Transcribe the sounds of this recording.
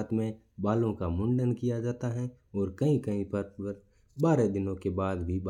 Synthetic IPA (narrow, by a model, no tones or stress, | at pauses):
t̪mẽ | baːlõkamʊ̃ɳɖənkijad͡ʒaːt̪aɦɛ̃ | ɔːɾkɐɦĩkɐɦĩpɐɾəɾ | baːɾed̪ɪnõkebaːd̪bʱib